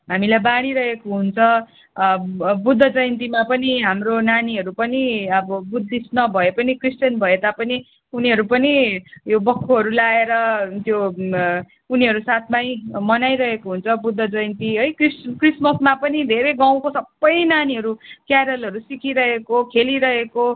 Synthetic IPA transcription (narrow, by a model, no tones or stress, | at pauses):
ɦamilajbaɽ̃iɾʌɦekoɦunt͡sʰʌ | bud̪ʱːʌd͡zʌjʌnt̪imapʌniɦamronaniɦʌɾupʌniʌbʌbud̪ʱːisnʌbʱʌepʌnikrisʈʌnbʱʌet̪apʌni | uniɦʌɾupʌnijobʌkʰːoɦʌɾulaeɾʌt̪jo | uniɦʌɾusat̪ʰmaj̃mʌnajɾʌɦekoɦunt͡sʰʌbud̪ʱːʌd͡zʌjnt̪iɦʌjkriskrismʌsmapʌnid̪ʱeɾeɡaw̃kosʌbːʌjnaniɦʌɾukjaɾʌlʌɾusikiɾʌɦekokʰeliɾʌɦeko